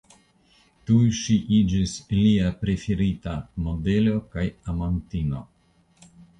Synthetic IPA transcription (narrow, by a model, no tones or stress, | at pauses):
tujʃiʔid͡ʒisliapɾefeɾitamobelo̞kajamantino̰